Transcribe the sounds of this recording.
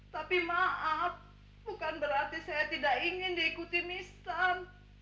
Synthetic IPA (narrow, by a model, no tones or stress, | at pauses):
t̪apimaʔap̚ | bukanbəɾart̪isajat̪idaʔiŋɪndiːkut̪inist̪am